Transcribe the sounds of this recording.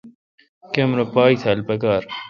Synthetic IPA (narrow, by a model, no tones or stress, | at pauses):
kemɾopaːit̪ʰɐlpɐkaːɾ